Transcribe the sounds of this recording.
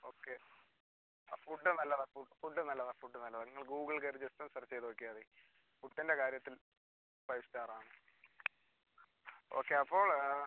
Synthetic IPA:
oːkːe | fuɖːɨnɐlːɐðefufuɖːɨnɐlːɐðefuɖːɨnɐlːɐðɐŋːɐɭɡuːɡɐɭkɐɾɨd͡ʑest̪ːɐmsɐrɐt͡ɕːejðoːkːijaːði | fuʈːinde̞kaːɾjɐt̪ːil | pɐjstaːraːɳɨ | o̞̰ːkːe̞ɐpːo̞ːɭ

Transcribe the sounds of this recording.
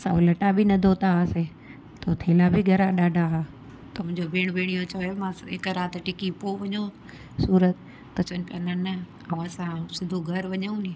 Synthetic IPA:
sã̰lɐʈabʱinɐd̪ʱot̪ase | t̪oːt̪ʰeːlabʱiɡʱɐɾãɗaːɖʱaɦa | t̪ɐmʊ̃ɦɲd͡ʑobeːɽ̃beːɽ̃ijot͡ɕʰɐʋemãeːkɾaːt̪ʈɪkipoʋɐɲo | suːɾət̪ | kɐt͡ɕʰənpjanɐnɐ | ɐ̃ɐsãsɪd̪ʱoɡʱɐɾʋɐɲaũnĩ

